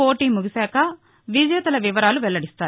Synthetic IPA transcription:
oːʈiːmuɡisaːkɐ | ʋid͡ʒjɐt̪ɐlɐʋiʋɐɾaːluʋɛɭːɐɽist̪aː

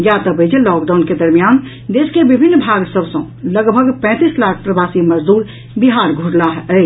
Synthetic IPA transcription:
jat̪əbəd͡ʒelɔkɖaʊnked̪əɾmijan | d̪eskebibʱinːbʱaɡsəbsə̃ | ləɡbʱəɡpɛ̃ːt̪islakʰpɾəbasiməd͡ʒd̪uːɾ | biɦaɾɡʱuɽlaɦəɪ

